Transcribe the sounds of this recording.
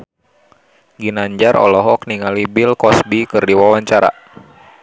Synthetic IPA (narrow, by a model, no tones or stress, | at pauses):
ɡinaɲd͡ʒarʔɔ̰lɔɦɔk̚niŋalibilkɔsbikɨrdiwawaɲt͡ʃaɾa̰